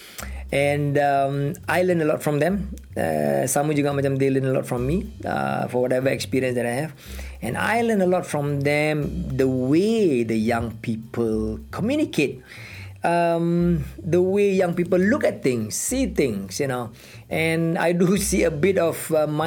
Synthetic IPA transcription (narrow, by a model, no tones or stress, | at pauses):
ʔɛ̃nʌmʔajlə̃nəlɔtfɹɔ̃md̪ɛ̃mʌ̰sãmwĩjuɡɔt̚mad͡ʒãmd̪elə̃nəlɔ̰tfɹɔ̃mːiʌ̰fɔwɔtɛvəɛkspiɹiə̃nsdɛɾajhɛv | ɛ̰̃na̰jlənəlɔtfɹɔ̃md̪ɛ̃md̪əwed̪əjãŋpʰipʰəlkʰɔmjunikʰet̚ | ʌmd̪əwejãŋpipəllukɛt̚t̪ɪ̃ŋsːit̪ɪ̃ŋsjuno | ʔɛ̃na̰jdusiəbɪtɔvma